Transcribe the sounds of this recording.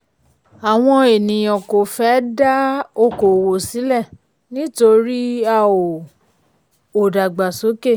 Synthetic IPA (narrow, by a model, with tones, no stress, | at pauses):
a˨w̃ɔ̃˧e˨nĩ˨ɔ̃˨ko˨fɛ˨˦da˦o˦˨ko˨wo˨si˨˦lɛ˦˨ | nĩ˦to˧ɾi˦a˦˨o˨ | o˨da˨ɡ͡ba˨so˨˦ke˦˨